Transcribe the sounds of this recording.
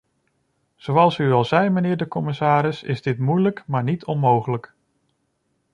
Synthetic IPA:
z̥owɑlˠsyɑlˠzɛjmənɪːɹdəkɔmɪsaːɾɪsɪ̰zdɪtmujləkmaːɹnitʰɔnmowχələk

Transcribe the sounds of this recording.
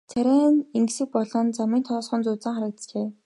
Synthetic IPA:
t͡sʰæɾʲæːniŋɡsɘ̆k̚pɔɮɞ̆nt͡samiːnt̪ʰɔːsχɔnt͡sʊːt͡săːŋχaɾə̆k̚t̪sɮeː

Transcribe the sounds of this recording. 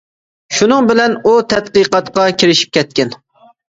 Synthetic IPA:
ʃunɨŋbɪlɛnut̪ʰɛt̪qɨqɑt̪qɑkʲʰiɾɪʃi̥p̚kʲʰɛt̪̚kʲɛn

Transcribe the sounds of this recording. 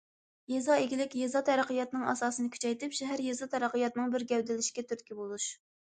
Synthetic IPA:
jezɑeɡʲilɪkʲjezɑt̪ʰɛɾəqʰəjɑt̪nɨŋɑ̰sɑːsɨnɨkʲʰy̥t͡ʃʰɛjt̪ɪpʃɛɦæɾjezɑt̪ʰɛɾæqʰəjɑt̪nɨŋbɪɾɡʲɛwd̪ɪlɪʃkʲɛt̪ʰyɾt̪kʲibolˠuʃ

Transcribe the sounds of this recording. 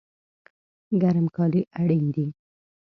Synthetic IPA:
ɡaɾmkɑliʔaɽind̪i

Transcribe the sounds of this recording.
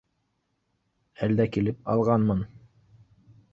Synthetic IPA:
æld̪ækilɘp̚ɑ̰lˠʁɑnmɤn

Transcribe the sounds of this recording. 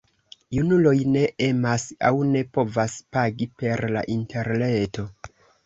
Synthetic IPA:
junulo̞jne̞ʔemasa̰wne̞po̞vaspaɡipe̞ɾla̰ʔintʰe̞ɾne̞to̞

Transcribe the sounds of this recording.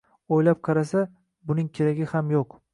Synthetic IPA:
ojlap̚qʰɑɾasa | bʊnɪŋkʲʰeɾaɡʲɪhamjoq

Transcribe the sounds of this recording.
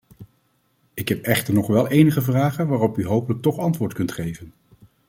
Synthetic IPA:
ɪkɦɛpɛχtəɹnɔχʋɛlˠejnəχəvraːχənʋaːrɔpyɦowpələk̚tɔχɑntʋʊːɹtkɵntχejvən

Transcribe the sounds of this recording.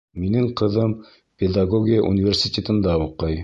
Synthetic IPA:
minɘŋqɤ̆ðɤm | pʲed̪aɡoɡʲijəʔṵnʲɪvʲersʲit̪ʲet̪ɤ̆nd̪ɑuqɤj

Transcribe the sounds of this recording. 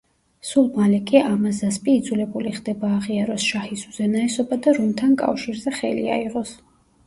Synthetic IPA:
sulˠmalɛkʼiamasd̪aspʼiːd̪zulɛbuliχd̪ɛbaːʁiaɾɔsʃahisuz̥ɛnaɛsɔbad̪aɾunt̪ʰankʼa̰fʃiɾzɛχɛ̰lḭa̰iʁɔs

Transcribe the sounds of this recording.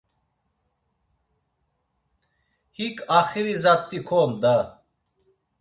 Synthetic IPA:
hikʼaχiɾizat̪ʼːikʰɔnd̪a

